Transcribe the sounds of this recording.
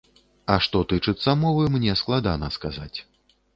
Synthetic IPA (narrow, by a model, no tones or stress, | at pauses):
ɐʂt̪ɔt̪ɨt͡ʂɨt̪sːɐmɔvɨmnʲɛsklˠad̪anɐskazat͡sʲ